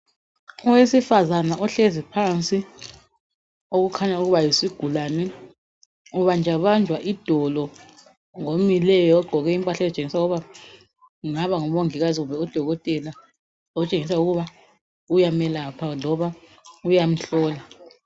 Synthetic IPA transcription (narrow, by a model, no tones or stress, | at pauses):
ɔwesifazanaʔɔɬezipʰant͡sʼi | oɣukʰaɲauɣuβajisiɡ̥ʱulaːnɛ | uβand͡ʒʱaβand͡ʒʱwaʔid̥ʱɔlɔ | ŋomilɛjɔɔɡ͡ǃʱɔɣɛimpʼaɬazt͡ʃʼeŋisauɣuβa | ŋaβaŋɔβoŋiɣaziɣumbʱɛud̥ʱɔɣɔtʼɛla | ɔt͡ʃʼeŋis̬auɣuβa | ujamɛlapʰalɔβa | ujam̩ɬɔːla